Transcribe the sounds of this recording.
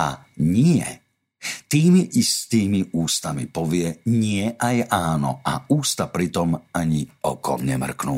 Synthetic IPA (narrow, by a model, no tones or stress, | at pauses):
a̰ | ɲɪɛ̰ | t̪iːmiʔist̪iːmiuːst̪amḭpɔʋɪɛɲɪɛʔajaːnɔ̰ʔauːst̪apɾit̪ɔmaɲiɔ̰kɔ̰mɲɛmr̩knṵː